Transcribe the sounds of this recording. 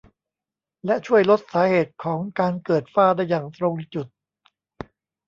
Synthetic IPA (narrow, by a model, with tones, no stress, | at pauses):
lɛ˦˥ʔt͡ɕʰu˥˩əjlo˦˥t̪̚saː˩˦heː˨˩t̪̚kʰɔː˩˦ŋkaː˧nkɤː˨˩t̪̚faː˥˩daː˥˩jːaː˨˩ŋt̪ɾo˧ŋli˨˧˩t͡ɕu˨˩t̪̚